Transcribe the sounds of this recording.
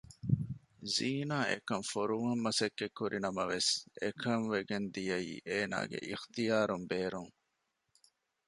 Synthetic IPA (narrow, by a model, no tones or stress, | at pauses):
ziːnaːʔḛkɐmfoɾuŋɐmːɐsɐkːekːuɾʔinɐmɐʋesekʰɐŋʋeɡend̪ijɐḭːʔeːna̰ːɡḛʔixt̪ijaːɾumbeːɾuŋ